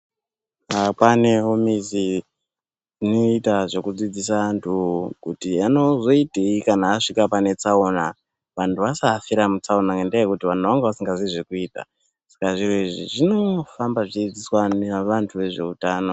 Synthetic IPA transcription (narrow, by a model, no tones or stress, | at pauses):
apane̞ɦomizi | ino̞itaʐo̞kud͡zid͡zisantʰukutiano̞zo̞iteikanaːʂikapane̞t͡saona | ʋantʰuʋasafiɾamut͡saonaŋendaekutiʋantuʋaŋɡeʋasiŋɡaziʐekuiːta̰ | sḁkaʐiɾoiʐḭʐino̞fambaʐid͡zid͡ziswaneʋantʰuʋe̞ʐe̞̰utaːno̞